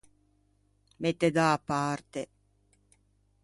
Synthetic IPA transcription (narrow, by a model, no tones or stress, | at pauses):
met̪ːed̪aːpːart̪e